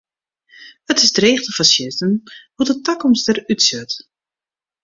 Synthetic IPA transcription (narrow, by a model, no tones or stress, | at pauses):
ətɪsdreːχtəfasjɪstənhutətakɔmstəɾytsøt